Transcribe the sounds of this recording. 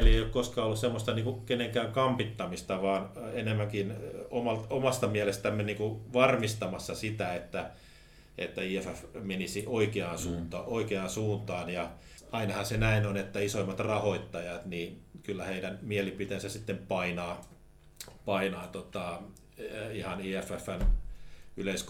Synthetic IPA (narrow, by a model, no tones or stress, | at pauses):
lieijokkoskɑːolːussemːost̪ɑniːŋkukeneŋkæːŋkɑmpit̪ːɑmist̪ɑʋɑːnenemːæŋkinomɑlt̪omɑst̪ɑmiælest̪æmːeniːŋkuʋɑrmist̪ɑmɑsːɑsit̪æet̪ːæ | ʔḛt̪ːæiːefæfmenisiʔoikeɑnsuːnt̪ɑːoikeɑnsuːnt̪ɑːnjɑ | ɑinɑhɑsenæinonet̪ːæisoimːɑt̪rɑhoit̪ːɑjɑt̪niːkylːæheidænmielipit̪ensæsit̪ːempɑinɑː | pɑinɑːt̪ot̪ɑ | ihɑniːæfæfːæn | yleisk